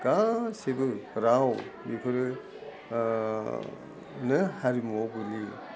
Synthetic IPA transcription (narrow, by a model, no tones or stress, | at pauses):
ɡ̥asebɯɾawmipʰɯɾɯ | nɯhaɾimɔbuli